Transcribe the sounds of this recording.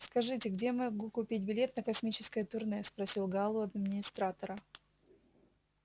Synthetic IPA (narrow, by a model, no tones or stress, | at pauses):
skɐʐɨtʲɪɡdʲemɨɡukʊpʲit̚ʲbʲɪlʲe̞t̪nəkɐsmʲit͡ɕɪ̥skəjət̪ʊrnɛspɾɐsʲilˠɡalˠʊɐd̪mʲɪnʲɪst̪ɾat̪ɐɾə